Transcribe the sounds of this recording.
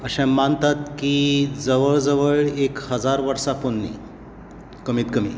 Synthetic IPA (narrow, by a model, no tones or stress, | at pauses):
əɕãmant̪at̪̚kiːd͡zəʋəɭd͡zəʋəɭekhəd͡zaɾʋəɾsaponːḭ | kəmiːt̪kəmiː